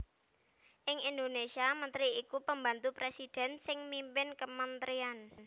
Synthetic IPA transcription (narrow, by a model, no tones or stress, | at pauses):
ʔɪŋʔind̪onesiamənt̪ɾiːkupəmbant̪upɾesid̪̥ɛ̤nsɪŋmimpɪnkəmənt̪ɾian